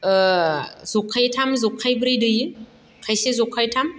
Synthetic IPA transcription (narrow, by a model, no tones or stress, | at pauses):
zukʰːajtʰamzukʰːajbɾɯjdɯjɯ | kʰajsezukʰːajtʰam